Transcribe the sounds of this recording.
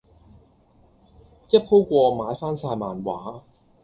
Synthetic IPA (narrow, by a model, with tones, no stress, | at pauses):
jɐ˥t̚ho˥wkʷɔː˧maː˨˧jfaː˥nsaː˧jmaː˨˩nwaː˨˥